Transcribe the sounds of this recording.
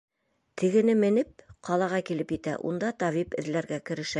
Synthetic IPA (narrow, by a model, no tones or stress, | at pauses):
t̪ʰɘ̆ɡɘ̆nɘmɘ̆nɘp̚qɑlˠɑʁɑkilɘpjɘ̆t̪æ̰ʔṵnd̪ɑt̪ɑvipɘ̆ðlæɾɡækɘ̆ɾɘ̆ʃæ